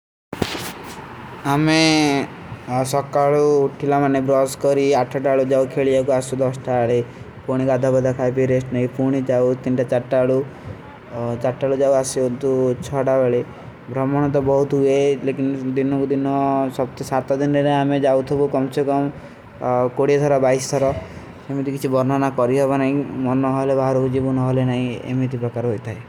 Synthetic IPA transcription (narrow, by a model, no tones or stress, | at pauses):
ame | sɔkːaɭuːʈʰilamanebɾɔskɔɾiaʈʰːɔʈaɭud͡ʒawkʰeɭijakuasud̪ɔsʈaɭe | puɽ̃ikad̪ʱabɔd̪ʱakʰajpiɾesʈnaipuɽ̃id͡ʒawt̪inʈat͡ʃaʈːaɭu | t͡ʃaʈːaɭud͡ʒawasiunt̪ut͡ʃʰɔɽabeɭe | bʱɾɔmɔɽ̃ɔt̪̬ɔbɔɦut̪ɦuelekind̪inɔkud̪inɔsɔb̚t̪esat̪ɔd̪inɾeɾeamed͡ʒawt̪ʰɔbukɔmsekɔm | koɽiet̪ʰɔɾabajst̪ʰɔɾɔ | semit̪ikit͡ʃʰibɔɾnanakɔɾiɦɔbanaɦĩmɔnːɔɦɔlebʱaɦɾɔkud͡ʒibunɔɦɔlenaɦĩḛmit̪̬ipɾɔkaɾɦojt̪ʰae